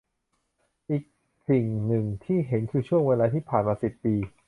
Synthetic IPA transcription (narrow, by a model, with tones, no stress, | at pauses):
ʔiː˨˩k̚ | si˨˩ŋnɯ˨˩ŋt̪ʰiː˥˩ɦe˩˦nkʰɯː˧t͡ɕʰu˥˩əŋweː˧laː˧t̪ʰiː˥˩pʰaː˨˩nmaː˧si˨˩p̚ːiː˧